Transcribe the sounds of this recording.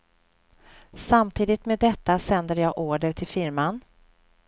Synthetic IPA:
samt̪ʰiːd̪ɪt̪meːd̪ːɛt̪ːasɛnd̪əɾjɑːɡʔoːɖəʈʰɪlfɪɾman

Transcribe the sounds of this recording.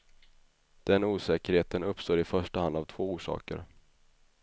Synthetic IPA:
d̪̥ɛnuːsɛːkəɾheːt̪ənɵpːst̪oːɾɪfœʂʈəhand̪avt̪ʰv̥oːuːʂɑ̰ːkə̰ɾ

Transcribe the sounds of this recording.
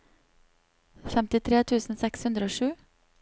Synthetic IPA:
fɛmt̪ɪt̪ʰɾeːt̪ʰʉːsn̩sɛkshʉnd̪ɾəoːʃʉː

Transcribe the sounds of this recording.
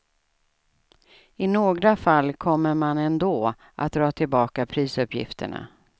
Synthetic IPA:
ɪnoːɡɾafalːkʰɔmːəɾmanɛnd̪oː | ʔa̰t̪̚d̪ɾɑːt̪ʰɪlbɑːkapʰɾiːsɵpjɪ̰ft̪ə̰ɳa̰

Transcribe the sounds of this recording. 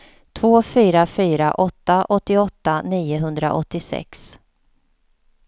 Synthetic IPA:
t̪ʰvoːfyːɾafyːɾaʔɔt̪ːaʔɔt̪ːɪɔt̪ːaniːʊɦɵnd̪ɾa̰ʔɔ̰t̪ːɪsɛ̰ks

